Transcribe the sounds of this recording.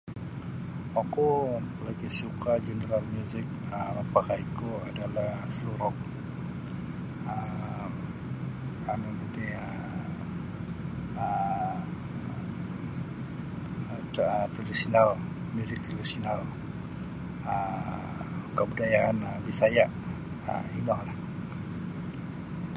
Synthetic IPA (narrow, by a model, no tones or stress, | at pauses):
akulaɡisukad͡ʒənəɾalmjuzɪk̚ | əmapakaikuadalasəluɾɔk̚ | ə | anunət̪iə | ə | ət̪ədisinal | mjuzɪk̚t̪ədisinal | ə | kəbudajaanəbisajaʔ | ə̰inɔhlah